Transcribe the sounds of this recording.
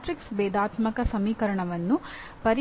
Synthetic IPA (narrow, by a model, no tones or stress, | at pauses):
ʈɾiksbɛːd̪aːt̪mɐkɐsɐmiːkɐɾɐɳɐʋɐnːu | pɐɾ